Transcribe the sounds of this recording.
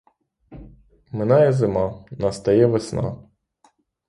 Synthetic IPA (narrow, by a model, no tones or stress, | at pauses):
mɪnɑjɛzɪmɑnɐst̪ɐjɛʋesnɑ̰